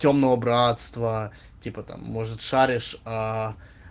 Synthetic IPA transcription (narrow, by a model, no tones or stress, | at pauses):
tʲo̞mnəvəbɾat̪st̪və | tʲipət̪a̰mːo̞ʐɨt̪ʂaɾʲɪʂa